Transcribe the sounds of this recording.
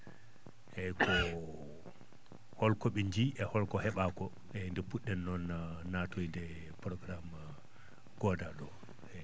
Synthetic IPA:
ʔɛkʰɔ | hɔlkɔɓɛɲd͡ʒiʔɛhɔlkɔhɛɓakɔ | ɛndɛpuɗːɛnːɔnːatojdɛ | pɾɔɡɾam | ɡ̥ɔdaɗɔ | ɛ

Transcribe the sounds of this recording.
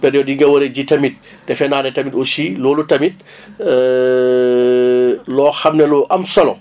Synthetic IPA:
pɛdjɔdiŋɡɐwɐɾeɟitɐmit̚ | d̥ɛfɛnaːnɛtɐmitɔsilɔːlutɐmit̚ | lɔːxɐmnɛluʔɐmsɐlɔ̰̃

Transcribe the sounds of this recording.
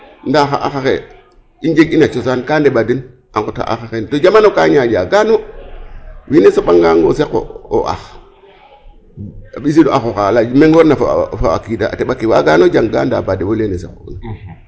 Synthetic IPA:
ndaxaʔa̰xaxḛ | ind͡ʒeɡinat͡ʃosankandeɓadin | ʔaŋkota̰ʔa̰xaxentod͡ʒamanokaɲad͡ʒaɡano | winesoɓaŋɡaŋɡoseko̰o̰ʔa̰x | ɓis̬idoaxoxalameŋɡoɾnafafawa̰kidaa̰teɓakiwa̰ɡanod͡ʒaŋɡa̰ndabadewolenesekoṵn

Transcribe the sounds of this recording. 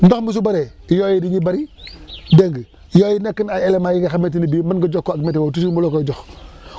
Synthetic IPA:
ndoxmus̬ubaɾejojidiɲibaɾideŋɡ | jojinekːənaelemajiɡaxamet̬inibimanɡəd͡ʒokːoaɡmet̬ewot̬us̬umulokoid͡ʒox

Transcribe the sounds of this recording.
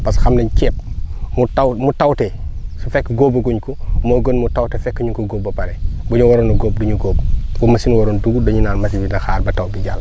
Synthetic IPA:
pɐsxɐmnɐɲcɛːp̚mutɐwmutɐwtɛsufɛkːɡoːbɐɡuɲkumɔɡonmutɐwtɛfɛkːəɲukɔɡoːb̚ːɐpɐɾɛbuɲuwɔɾɔnɐɡoːb̚duɲuɡɔːbwɔmɐsinwɔɾɔnduɡudɔɲunaːnmɐsibinɐxaːrbɐtɐwbiɟa̰ːlː

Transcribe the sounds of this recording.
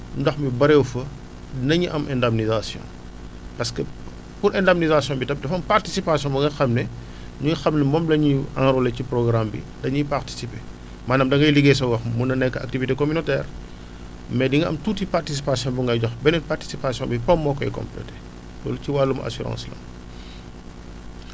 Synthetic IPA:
mdɐxmibɐɾɛwfɐ | nɐɲiʔɐmʔɛ̃ndɐmnizasjɔ̰̃ | pɐskə | puɾɛndɐmnizasjɔ̃ːbitɐp̚dɐfɐmpartisipasijɔ̃bɐŋɡɐxɐmnɛ | ɲuixɐmnɛmɔːmlɐɲiãŋɾoleciprɔɡɾambḭ | dɐɲiparti̥sipe | maːnɐmdɐŋɡɐjliɡes̬ɐwɐxmunɐnɛkːɐa̰k̚tivitekɔmynotɛːr | mɛdiŋɡɐɐ̰mtuːtipartis̬ipasijɔ̃buŋɡɐjɟɔxbɛnɛparti̥sipasjɔ̃bipɐmːɔːkːɔɛ̰kɔ̰̃mplɛ̰te | dɔ̰ːluciwaːlːumɐ̰ʔa̰suɾɑ̰̃nslɐ̰m

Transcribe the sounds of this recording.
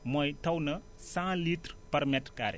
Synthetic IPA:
mɔjt̪ʰɐwnɐ | sãlitɾpɐɾmɛtrka̰ɾḛ

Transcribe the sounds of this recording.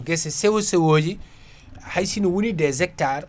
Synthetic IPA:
ɡɛsɛsɛwosɛwoːd͡ʒi | hajsinɔwunidɛzɛk̚taɾ

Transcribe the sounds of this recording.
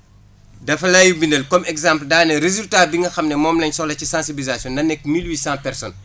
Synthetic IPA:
dɐfɐlajubinɐlkɔmɛɡzãmpldaːnɛɾezultaːbiŋɡɐxɐmnɛmɔːmlɐɲsɔlɐcisãːnsibilizasjɔ̃ndɐnɛkːmilwiːsãːpɛɾsɔn

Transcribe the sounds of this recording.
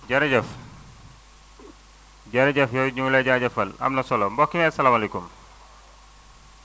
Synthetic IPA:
ɟɐɾɐɟɐf | ɟɐɾɐɟɐfjoɲulɐɟaɟɐfɐlɐ̰mnɐsɔlombɔkːimɛsɐlaːmalekum

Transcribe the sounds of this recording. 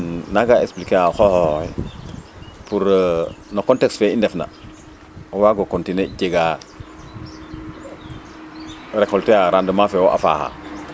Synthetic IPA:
naɡaeksplikeaxɔhɔɛ | puɾnokɔntɛksfɛindɛfna̰ | waːɡokontineɟeɡa | ɾekɔlteaɾandəmafewɔʔa̰fa̰ːha̰

